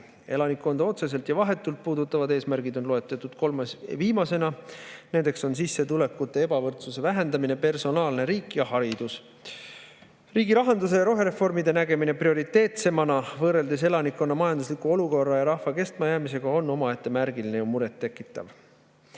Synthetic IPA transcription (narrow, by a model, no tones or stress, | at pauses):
e̞lɑnikːˑo̞nd̪̥ɑo̞t̪se̞s̬e̞lt̪jɑvɑɦe̞t̪ːˑult̪̚puːd̪ut̪ːˑɑvɑd̪e̞ːsmæɾɡ̥id̪o̞nloe̞t̪ːˑɑt̪ːˑud̪̥ko̞lmesviːmɑse̞nɑne̞nd̪̥e̞kso̞ns̬isːe̞t̪ule̞kːut̪ːˑe̞e̞bɑvɤrt̪suse̞væɦe̞nd̪̥ɑmine̞pe̞rso̞nɑːlne̞ɾiːkːˑjɑhɑɾid̪us | riːɡilɑɦɑnd̪us̬e̞jɑɾo̞ɦe̞ɾe̞fo̞rmid̪e̞næɡe̞mine̞prio̞ɾit̪ːˑe̞ːt̪se̞mɑnɑvɤːɾe̞ld̪e̞s̬e̞lɑnikːˑo̞nːɑmɑjɑnd̪uslikˑuo̞luko̞rːɑjɑɾɑhvɑke̞st̪mɑjæːmise̞ɡ̥ɑo̞nːo̞mɑe̞t̪ːˑe̞mæɾɡ̥ilinejumuɾe̞t̪ːe̞kːˑit̪ːˑɑ̰v